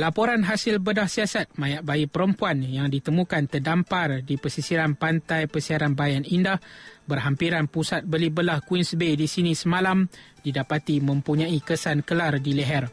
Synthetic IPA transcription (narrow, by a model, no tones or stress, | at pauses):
lapoɾanɦasɪlbədahsiasat̪̚mãjaʔ̚bajipəɾəmpuanjaŋdit̪əmũkant̪ərdampardipəsisiɾanpant̪ajpəsiaɾanbajanindahbərɦampiɾanpusat̪̚bəlibəlahkwinsbedisinisəmalam | didapat̪imə̃mpuɲãikəsankəlardilɛɦɛr